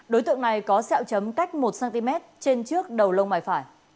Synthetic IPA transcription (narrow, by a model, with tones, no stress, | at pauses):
ɗo˨˦jt̪ɨ̰˧˨əŋna˨˩jkɔ˨˦sɛ̰ː˧˨wt͡ɕə˨˦mka˦˥jk̟̚mo˨˩t̚saː˧nt̪i˧mɛ˦˥t̚t͡ɕe˧nt͡ɕɨ˦˥ək̚ɗə˨˩wlə˧wmaː˨˩jfaː˧˩j